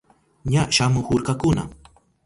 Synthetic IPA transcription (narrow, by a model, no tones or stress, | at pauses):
ɲaʃamʊhʊɾkakʊna̰